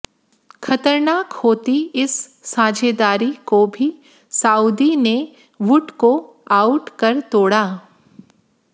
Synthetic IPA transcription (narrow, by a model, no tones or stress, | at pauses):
xʰɐt̪əɾnaːkhoːt̪iɪsːãːd͡ʒeːd̪aːɾikobʱi | saːud̪ine | ʋʊʈko | aːʊʈkɐɾt̪oːɽaː